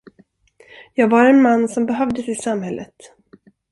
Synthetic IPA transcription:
jɑːɡvaɾɛnmanːsɔmbɛɦœvd̪əsɪsamɦɛlːʔə̰t̪

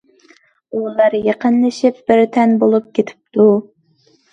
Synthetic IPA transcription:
ulˠɑɾjeqʰənlˠɨʃɪp̚b̥ɪɾt̪ʰɛnbolˠup̚kʲet̪ʰɪ̥p̚t̪ʰu

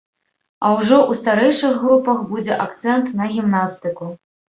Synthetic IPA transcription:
ɐwʐɔʔust̪aɾɛjʂɨxːɾupɐxbud͡zʲɛʔakt̪sɛnt̪nɐɣʲimnast̪ɨku

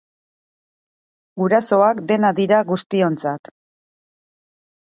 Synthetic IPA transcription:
ɡuɾaso̞akd̪e̞naðiɾaɣust̪io̞nt͡sat̪

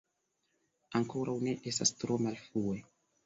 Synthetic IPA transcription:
aŋkoɾawne̞ʔestast̪ɾomalfue

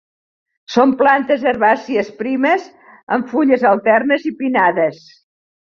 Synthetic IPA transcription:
somplant̪əzəɾβasiəspɾiməz | əɱfuʎəzəlˠt̪ɛrnəzipinaðəs

